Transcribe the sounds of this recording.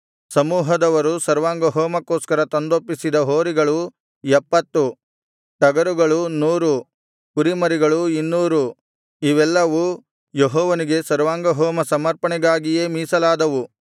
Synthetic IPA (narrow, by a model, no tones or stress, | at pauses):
sɐmuːɦɐd̪ɐʋɐɾusɐɾʋaːŋɡɐɦɔːmɐkoːskɐɾɐt̪ond̪opːisid̪ɐɦoːɾiɡɐɭu | ɛpːɐt̪ːu | ʈɐɡɐɾuɡɐɭunuːɾu | kuɾimɐɾiɡɐɭuinːuːɾu | iʋɛlːɐʋu | jeɦɔːʋɐniɡe̞sɐɾʋaːŋɡɐɦoːmɐsɐmɐɾpɐɳɛɡaːɡije̞ːmiːsɐlaːd̪ɐʋu